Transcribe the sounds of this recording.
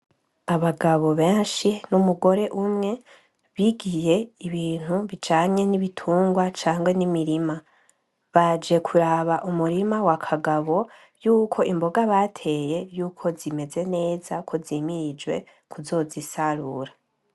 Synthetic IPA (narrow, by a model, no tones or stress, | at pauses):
aβaɡaβo̞βe̞ːnʃinumuɡo̞ɾe̞ʔumŋe̞ | βiɡije̞iβiːn̥huβit͡ʃaːɲe̞niβitʰuːŋɡwat͡ʃaːŋɡwe̞nimiɾima | βad͡ʒe̞kʰuɾaβaʔumuɾimawakʰaɡaβo̞ | juːkʰo̞imbo̞ɡaβatʰe̞je̞juːkʰo̞zime̞ze̞ne̞ːzakʰo̞ziːmiɾid͡ʒwe̞̰ | kuzo̞ːzisaɾuɾa